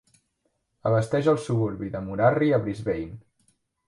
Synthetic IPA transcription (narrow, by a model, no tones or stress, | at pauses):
əβəst̪ɛʒəlˠsuβuɾβiðəmuɾariəβɾizβejn